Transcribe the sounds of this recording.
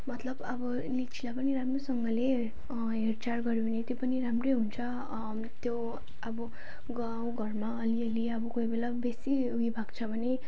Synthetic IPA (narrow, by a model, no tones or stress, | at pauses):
mʌt̪lʌbʌbʌ | lit͡sʰilapʌniramrosʌŋɡʌle | ɦert͡sarɡʌɾinet̪jopʌniramrʌjɦunt͡sʰʌ | t̪jo | ʌbʌ | ɡaw̃ɡʱʌrmaʌliʌliʌbʌkojbelabesi | ɦuibʱaɡt͡sʰʌbʱʌne